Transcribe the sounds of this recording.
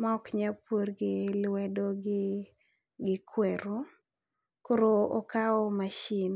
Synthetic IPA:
maɔkɲapoɾɡɪlwɛdoɡɪ | ɡɪkʰwɛɾo | koɾoɔkaɔmaʃin

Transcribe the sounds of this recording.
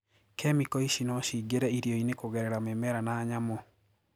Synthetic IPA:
kʰɛmikɔiʃinɔʃiɡeɾɛiɾioinekoɣɛɾɛɾamemɛɾanaːɲamɔ

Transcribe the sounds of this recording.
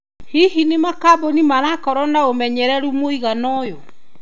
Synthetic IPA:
hihinemakabɔnimaɾakɔɾɔnaomɛɲɛɾɛɾumoiɣanɔjɔ

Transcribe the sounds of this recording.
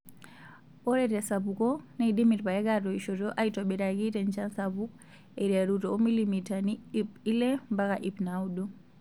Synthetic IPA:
ɔɾɛtɛsaβukɔnaiɗimiɾpajɛɡatɔiʃɔtɔʔaitaɓɛɾaɡitɛɲt͡ʃansaβuk | ɛɾiaɾutɔːmilimitanipilɛmbakaʔipnaudɔ

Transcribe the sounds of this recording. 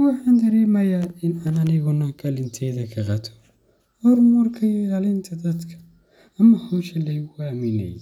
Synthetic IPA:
wɑħaːnd̪ɐɾɛːmɐjaɪnaːnɐnɪɣʊnɐɡɐlɪnt̪ʰɛːðɐkʰɐqɑt̪ʰɔ̥ | hɔɾmʊrkʰɐjɡɐlɪnt̪ʰɐd̪ɐd̪kʰɐ̥ | ɐmɐhɔʃɐlɐjɣʊamɪnɛ̰j

